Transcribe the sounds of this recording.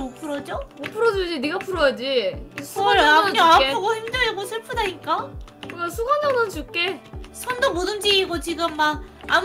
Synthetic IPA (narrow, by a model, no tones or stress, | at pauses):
mopʰuɾʌd͡ʑomopʰuɾʌd͡ʑud͡ʑiniɡapʰuɾʌjad͡ʑiisʰuamaeoɡoçimd͡ʑʌŋeɡosʰɯɭpʰudaɲik͈akɯɡasʰuɡʌnd͡ʑʌnɯnt͡ɕuk͈esʰʌndomodɯnd͡ʑiiɡot͡ɕiɡɯmːak̚am